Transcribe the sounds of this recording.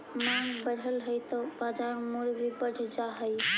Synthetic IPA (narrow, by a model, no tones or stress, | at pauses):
mãŋɡbəɽ̤əlɦəjt̪ɔbad͡ʒaɾmuɾbʱibəɽʱd͡ʒaɦəj